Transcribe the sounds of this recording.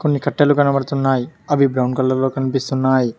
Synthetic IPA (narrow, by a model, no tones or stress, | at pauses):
ko̞nːikɐʈːɐluɡɐnɐʋɐɽt̪unːaːjiɐʋibɾɐwɳɖkɐlːɐlo̞ːkɐnipist̪unːaːji